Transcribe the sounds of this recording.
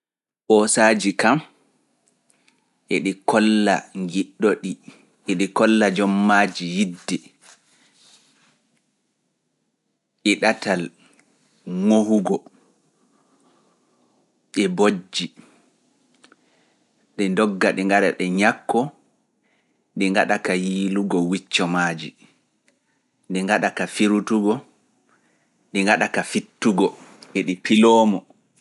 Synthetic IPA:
ɓɔsad͡ʒikam | ʔɛɗikɔlːa̰ŋɡiɗːɔɗi | ʔɛɗikɔlːad͡ʒɔmːaːd͡ʒijidːɛ | ʔɛɗatal | ŋohuɡɔ | ɗɛbod͡ʒːi | ɗɛndɔɡːaɗɛŋɡaɗaɗɛɲakːɔ | ɗiŋɡaɗakajiːluɡɔwit͡ʃːɔmad͡ʒi | ɗiŋɡaɗakafiɾutuɡɔ | ɗiŋɡaɗakafitːuɡɔɓeɗipilɔːmɔ

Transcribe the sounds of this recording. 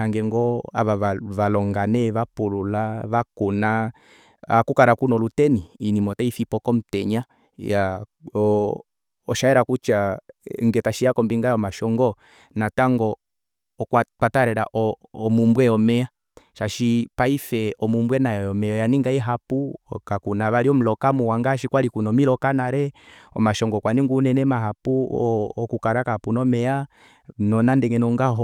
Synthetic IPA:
aŋɡɛŋɡɔa̰βaaβalɔŋɡanɛβapululaβakuna | akukaɾakunɔlutɛniːnimɔtaifipɔkɔm̩tɛɲa | ja | ʃaɛɾakut͡ʃaŋɡɛtaʃiakɔmbiŋɡajɔmaʃɔŋɡɔ | nataŋɡɔː | kwapataɾɛɾaʔɔːmumbwɛjɔmɛa | ʃaʃipaifɛɔmumbwɛnajɔjɔmɛɔjaniŋɡaɛɦapukakunaβaliɔm̩lɔkamuwaŋɡaʃikwalikunɔmilɔkanaɾɛɔ̰maʃɔŋɡɔkwaniŋɡunɛnɛmaɦapṵɔkukaɾakapunɔmɛa | nɔnandɛŋɛnɔŋɡaɦɔ

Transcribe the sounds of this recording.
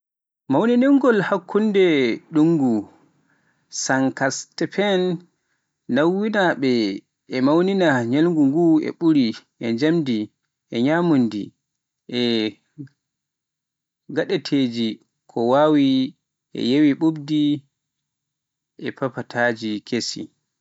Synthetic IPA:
mawniniŋɡɔlhakʰːundɛɗuŋɡu | saŋkastɛpɛnː | awːinaɓɛ | ʔɛmawninaɲalŋɡuŋɡuɛ̰ɓuɾiʔɛɲd͡ʒamdi | ʔɛɲamundḭ | ʔɛ | ɡaɗɛtʰed͡ʒi | kʰɔwaːwi | ʔɛ̰jewiɓubdi | ʔɛpapatʰad͡ʒikʰesḭ

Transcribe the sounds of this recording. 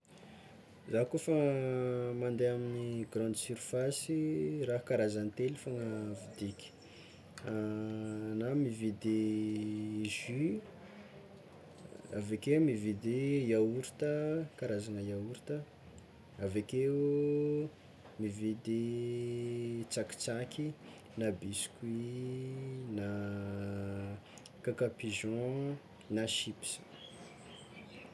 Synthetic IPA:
zakofə | mand̪eaminiɡrɑ̃nd̪isyɾifasiraɦkaɾazanit̪elifaŋəvid̪ikʲi̥ | namived̪e | ʒy | a̰vekemived̪ejauɾi̥t̪əkaɾazanəjauɾi̥t̪ə | aveke | mived̪e | t͡saki̥t͡sakʲi | nabiskwi | na | kakapiʒɔ̃ | naʃipi̥sḁ

